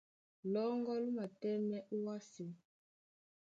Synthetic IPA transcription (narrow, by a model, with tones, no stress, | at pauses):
lɔ˦ŋɡɔ˦lu˦ma˨tɛ˦nɛ˦ʔu˦wa˦si˨